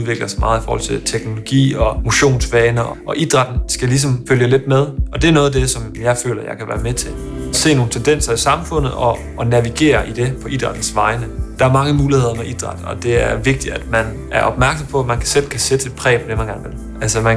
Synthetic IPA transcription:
ðˠʋe̝ɡ̥lɐsmɑ̈ːð̩ˠifɒ̰ːhɒ̽l̰t͡sʰe̝lt͡sʰeɡ̥no̝lo̝ɡ̥ḭːɒ̽mo̝ɕo̝̰ːnsʋɛːnəɒʔɒ̽ʔid̥ʁɑ̈d̥n̩sɡ̥ælis̬ɒ̽mføljəle̝d̥̚með̞ˠʔɒ̽d̥e̝æɐnɔ̽ːðˠd̥esɒ̽mjɑ̈ɪfø̰ːlɐjɑ̈ɪkʰæʋæ̰ːɐmet͡sʰe̝ | se̝̰ːno̝ːn̩t͡sʰend̥en̰sɐisɑ̈mfɔ̽n̰ð̞̩ˠɒ | ʔːnæʋiɡ̥e̝̰ːɐʔid̥e̝pʰɒ̽ʔid̥ʁɑ̈d̥n̩sʋɑ̈ɪnəd̥ɑ̈æɐmɑ̈ŋəmuːlihe̝ð̰ˠɐmeʔid̥ʁɑ̈d̥ɒ̽d̥e̝æɐʋe̝ɡ̥̚d̥id̥æd̥mæn | ʔæɐʔɒ̽b̥mæɐɡ̥sɒ̽mpʰɒ̽æmænkʰæ̥sel̰kʰæsed̥əed̥̚pʰʁɛ̰ːpʰɒd̥emænɡ̥æɐnʋe̝l | ʔælsəmæn

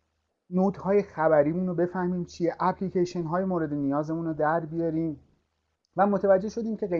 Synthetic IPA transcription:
noːd̪hɒːje̞xæbæɾiːmunobe̞fæhmiːmt͡ʃʰieʔæpʰliceʃenɦɒːjemoːɾe̞d̪e̞nijɒːze̞munod̪æɾbijɒɾiːm | væmot̪ʰevæd͡ʒːe̞ʃo̞d̪iːmcʰe̞ɣe

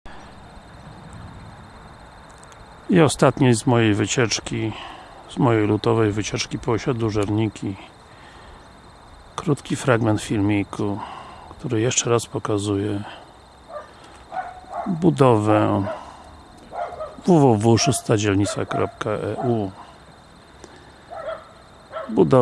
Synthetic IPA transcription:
iɔst̪at̪ɲejzmɔjejvɘt͡ɕɛt͡ʂkʲi | z̥mɔjejlut̪ɔvɛjvɘt͡ɕɛt͡ʂkʲipɔɕad̪luʐɛɾɲikʲʰi | kɾut̪kʲifɾaɡmɛnt̪fʲilmʲijkʰukt̪uɾɘjɛʂt͡ʂɛɾaspɔkazujɛ | bud̪ɔvɛ | vuvuvuʂust̪ad͡ʑɛlɲit̪sa̰kɾɔ̰p̚kaʔɛ̰ʔu | bud̪ɔ

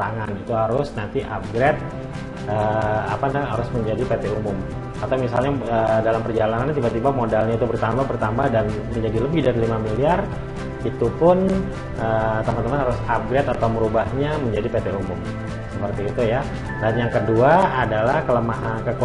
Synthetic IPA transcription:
aŋanit̪uɦaɾʊsnant̪iʔa̰p̚ɡɾet̪̚ | əapandaɦaɾʊsməɲd͡ʒadipet̪eumʊm | kat̪awmisalɲaədalampərd͡ʒalanant̪ibat̪ibamodalɲait̪ubərt̪ambabərt̪ambahdan | məɲd͡ʒadiləbɪhdaɾilimamiliar | it̪upʊn | ət̪əmant̪əmanhaɾʊsap̚ɡɾɛt̪at̪awməɾubahɲaməɲd͡ʒadipet̪eumʊm | səpərt̪iːt̪uja | danjaŋkəduaadalahkələmaɦankək

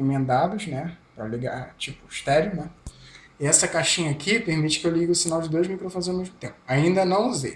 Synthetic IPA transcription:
mẽnd̪ad̪ʊʃnɛpɾɐliɡa̰ɾt͡ʃipʊiʃt̪ɛɾjʊnɛ | iɛsɐkaʃĩɲɐakʰipeɾmit͡ʃɪ̥kɪewliɡɪʊsinawd͡ʒɪd̪ojzmikɾõfonzawmeʒmʊt̪ẽpʊaĩnd̪ɐnɐ̃w̃uzḛ

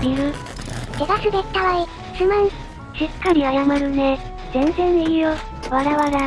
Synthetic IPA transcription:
bʲiɾɯ | t̪eɡasɨd̪et̪ːaβai | sɨmaɲi | ɕikːaɾʲiajamaɾɯ̟ne | zẽ̞nzẽ̞neijo | βaɾaβaɾa

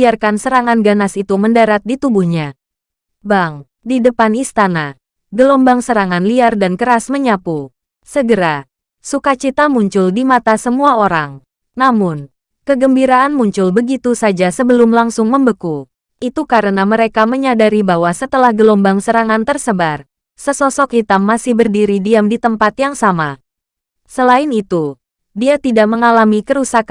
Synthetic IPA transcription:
iarkansəɾaŋanɡanasit̪uməndaɾat̪̚dit̪ubuhɲa | baŋ | didəpanist̪ana | ɡəlɔmbaŋsəɾaŋanliardankəɾasməɲapu | səɡəɾa | sukat͡ʃit̪amuɲt͡ʃʊldimat̪asəmuaoɾaŋ | namʊn | kəɡəmbiɾaʔanmuɲt͡ʃʊlbəɡit̪usad͡ʒasəbəlʊmlaŋsʊŋməmbəku | ʔit̪ukaɾənaməɾekaməɲadaɾibawasət̪əlahɡəlombaŋsəɾaŋant̪ərsəbar | səsɔsɔkit̪amːasɪhbərdiɾidiamdit̪əmpat̪jaŋsama | səlaɪnit̪u | diat̪idaʔ̚məŋalamikəɾusaka

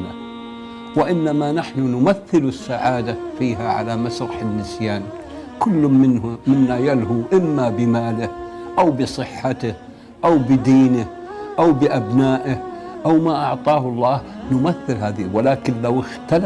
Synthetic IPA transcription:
la̰ | wɪʔɪnːamanaħnʊnʊmaθːɪlʊsːaʕaːd̪afiːɦaʕa̰lamasɾˤɑħɪnːɪsjaːn | kʊlːʊmɪnːajalɦuʔɪmːabɪmaːlɪhʔawbɨsˤɨħːat̪ɪh | ʔawbɪd̪iːnɪ | ʔawbɪʔabnaːʔɪh | ʔawmaʔɑʕt̪ˤɑːhʊlˤːɑːhnʊmaθːɪlɦaːðiwɪlaːkɪnlawɪxt̪al

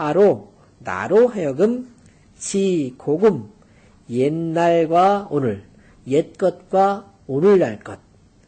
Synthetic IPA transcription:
haɾo | na̰ɾoɦejʌɡɯm | t͡ɕikoɡɯm | jenːaɭɡwaonɯɭ | jet̚k͈ʌt̚kwa | onɯɭːaɭk͈ʌt̚

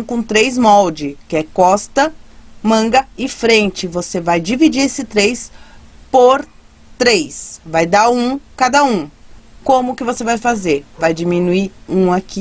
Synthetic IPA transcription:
w̃kõt̪ɾejzmɔwd͡ʒɪkɪɛkɔst̪ɐmɐ̃ɡɐɪfɾẽnt͡ʃɪvosevajd͡ʒivid͡ʒiɾesɪt̪ɾejspoɾ | t̪ɾejsvajd̪aũkad̪ɐũkõmʊːkɪvosevajfazeɾvajd͡ʒimĩnuiũaki

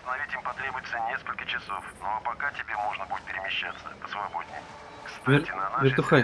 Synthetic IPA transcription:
sst̪ənɐvʲitʲimpɐt̪ɾʲebʊjɪt̪sənʲeskəlʲkət͡ɕɪsofnoapɐkatʲɪbʲemo̞ʐnəbudʲɪt̪pʲɪɾʲɪmʲɪɕːat̪sːə̰pə̥svɐbo̞dʲnʲɪ̰j | kst̪vʲɪtʲɪnɐnavʲɪrtt̪ʊxa

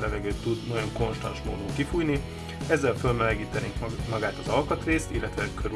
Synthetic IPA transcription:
lɛvɛɡøːt̪ːud̪nɒjo̞ŋko̞nʃt̪ɒ̰nʃmo̰ːd̪uːŋkifujni | ɛzːɛlfø̞lmɛlɛɡiːt̪ɛneːŋkmɒɡaːt̪ɒzɒlkɒt̪ɾeːst̪ilːɛt̪ʋɛkʰøɾ

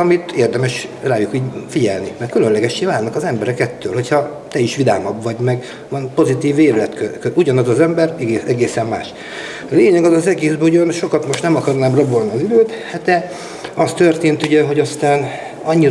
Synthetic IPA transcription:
ɒmit̪eːrd̪ɛmɛʃraːjukiːɟfiɟɛ̰lnimɛrkylønlɛɡɛʃːeːvaːlnɒkɒzɛmbɛɾɛkɛt̪ːøːlhɦo̞chɒt̪ɛiʃʋid̪a̰ːmɒbʋɒɟmɛɡ | ʋɒnpo̞zit̪iːveːɾylɛt̪køkøʔuɟɒnɒzɒzɛmbɛrɛɡeɛɡeːsɛmma̰ːʃ | leːɲɛɡɒzɒzɛɡeːzbɛuɟønʃo̞kɒt̪mo̞ʃt̪nɛmɒkɒrnaːmrɒbolniɒziløːt̪hd̪ɛ | ɒst̪ø̞rt̪eːnt̪uɟɛɦo̞ɟɒst̪aːn | ɒɲːi

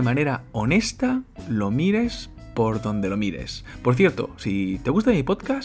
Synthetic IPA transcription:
emane̞ɾao̞ne̞st̪alo̞miɾe̞s | po̞ɾðo̞nd̪e̞lo̞miɾe̞̰spo̞ɾθje̞ɾt̪o̞̰sit̪e̞ɣust̪amipo̞t̪kas

